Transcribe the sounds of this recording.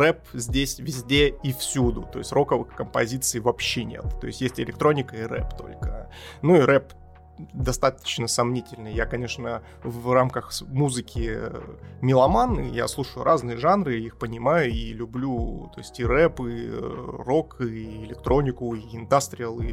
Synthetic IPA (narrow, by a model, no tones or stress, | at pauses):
rɛpzʲdʲesʲvʲɪzʲdʲeifsʲud̪ʊt̪o̞ɪsʲtʲrʔo̞kəvɨxkəmpɐzʲit̪sɨjvɐpɕːenʲe̞̰t̪t̪o̞̰ɪ̰sʲtʲjesʲtʲɪlʲɪk̚t̪ɾo̞nʲɪkəiɾɛ̰pt̪o̞̰lʲkənuiɾɛp | d̪ɐst̪at̪ə̥t͡ɕnəsɐmnʲitʲɪlʲnɨjjakɐnʲe̞ʂnə | vramkəxmuzɨkʲɪ | mʲɪlˠɐmanɨ̰ja̰slˠuʂəjʊ̰ɾʔaznɨjəʐanɾɨixpənʲɪmajʊilʲʊblʲut̪o̞̰ɪsʲtʲirɛpi | ro̞kiɪlʲɪk̚t̪ɾo̞nʲɪkʊiɪnd̪ast̪ɾʲɪəlˠḭ